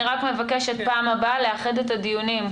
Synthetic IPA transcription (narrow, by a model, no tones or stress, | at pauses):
ʁakme̞vake̞ʃet̪̚paːmabaleaχed̪etad̪ijunim